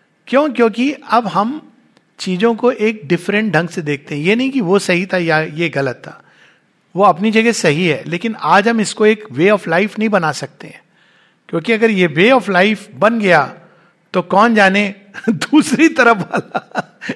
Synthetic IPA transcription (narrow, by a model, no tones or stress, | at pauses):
kjõːkjõːkiɐbɦɐm | t͡ʃiːzõkoʔeːk̚ɖɪfɾə̃ɳʈ̚ɖʱɐ̃ŋɡsed̪eːk̚ʰt̪ẽɦɛ̃jenɐɦĩkiʋosɐɦit̪ʰajajeɣɐlət̪ːa̰ː | ʋoɐpnid͡ʒɐɡesɐɦiɦɛ̰ːleːkɪnaːd͡ʒɦɐmɪskoeːkʋeːɔːflaːɪfnɐɦĩbɐnaːsɐk̚t̪eɦɛ̰̃ː | kjõːkiɐɡəɾjeʋeːɔːfʰlaːɪfbɐnɡɐjaː | t̪okɔːnd͡ʒaːne | d̪uːsɾit̪ɐɾəfbʱaːla